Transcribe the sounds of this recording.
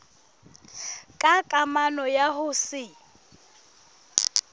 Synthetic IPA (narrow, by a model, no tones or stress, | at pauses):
kʼakʼamanɔjahʊsɪ